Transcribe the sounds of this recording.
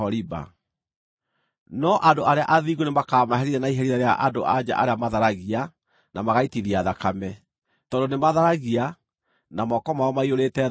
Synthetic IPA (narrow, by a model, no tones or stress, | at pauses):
ɔɾiba̰ | nɔʔadoʔaɾeaʔaðiɣunemakaːmaɦɛɾiɾɛnaiɦɛɾiɾaɾeaʔadoʔad͡ʑa̰ʔaɾeamaðaɾaɣia | namaɣaitiðiaðakamɛ | tɔdonemaðaɾaɣia | namɔkɔmaɔmaioɾetɛ